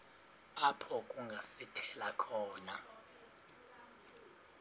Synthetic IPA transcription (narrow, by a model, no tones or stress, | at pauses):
apʰɔkʼuŋɡʱasitʰɛlakʰɔːna